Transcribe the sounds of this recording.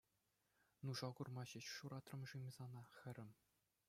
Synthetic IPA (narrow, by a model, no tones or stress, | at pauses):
nuʐɑɡurmɑɕɘ̆ɕʂuɾɑt̪rɤ̆mʐɯmʲizɑnɑxʲɘ̆ɾʲɘ̆mʲ